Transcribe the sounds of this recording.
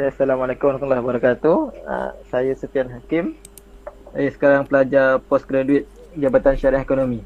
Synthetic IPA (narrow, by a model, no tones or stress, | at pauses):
asalamalekumankulahbəɾakat̪uə̰sajasut̪ianɦakɪm | ajasə̥kaɾaŋpəlad͡ʒapɔskɾeduɪt̪̚ | d͡ʒabat̪anʃaɾahekonomĩ